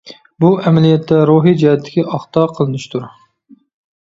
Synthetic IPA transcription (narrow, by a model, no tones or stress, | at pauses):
buɛmɛlijɛt̪ʰːɛɾoɦid͡ʒɛhɛt̪ʰːɪ̥kʲiɑχt̪ɑqʰəlˠɨnɨʃt̪ʰuɾ